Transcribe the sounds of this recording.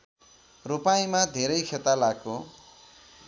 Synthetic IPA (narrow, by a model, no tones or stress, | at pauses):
rupajmad̪ʱeɾʌjkʰet̪alako